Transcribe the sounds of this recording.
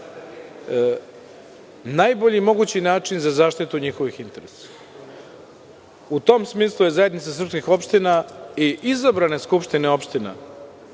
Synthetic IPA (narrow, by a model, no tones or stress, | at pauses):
najbo̞ʎimo̞ɡut͡ɕinaːt͡ʂinzazaːʃt̪it̪uɲixo̞ʋixint̪e̞ɾesḁ | ut̪o̞ːmsmiːslˠuje̞zaje̞d̪nit̪sas̬r̩pskixo̞pʃt̪inaiʔizabɾane̞skupʃt̪ineo̞pʃt̪ina̰